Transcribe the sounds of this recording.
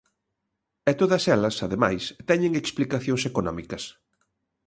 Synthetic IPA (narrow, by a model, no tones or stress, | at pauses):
ɛt̪oðɐsɛlɐsaðema̰jst̪ɛɲeŋeksplikaθjoŋsekonɔ̰mikɐs